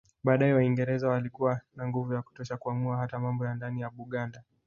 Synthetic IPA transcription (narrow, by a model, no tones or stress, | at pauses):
ɓaːɗaɛwaiŋɡɛɾɛzawalikuwanaŋɡuvujaku̥tɔʃakuamuaɦatamambɔjandanijaɓuɠanda